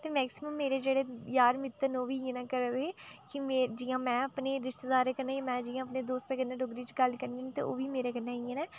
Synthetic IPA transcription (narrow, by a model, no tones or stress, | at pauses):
t̪eːmɛːksɪməmːeːɾeːd͡ʒeːɽeːjaːɾmɪt̪ːənoːʋiːẽnãːkəɾd̪eːkɪmed͡ʒiːãːmɛ̃ːəpneːɾɪʃt̪ed̪aːɾeːkəɾnːaːj̃ːmɛ̃ːd͡ʒiːãːəpneːd̪oːst̪ekənːẽːɖoɡɾiːt͡ʃɡəlkəɾniːaːnit̪eːo̰ːʋiːmeːɾeːkənːaːieːnɛː